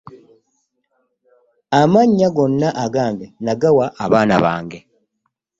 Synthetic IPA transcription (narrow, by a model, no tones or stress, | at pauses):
amaɲːaɡo̞nːaʔaɡaːŋɡenaɡawaʔːβaːna̰βa̰ːŋɡe̞